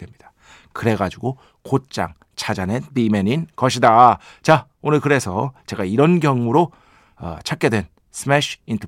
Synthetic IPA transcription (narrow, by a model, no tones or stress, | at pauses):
dwe̞mɲid̥ḁ | kɯɾe̞ɡad͡ʑuɡo | kot̚t͡ɕ͈a̰ŋ | t͡ɕʰad͡ʑanebimeninkʌɕʰidat͡ɕa | onɯɭkɯɾe̞sʰʌt͡ɕe̞ɡaiɾʌnɡjʌŋːuɾo | ʌ̰t͡ɕʰak͈e̞dwe̞n | sʰɯmeɕʰintʰʌ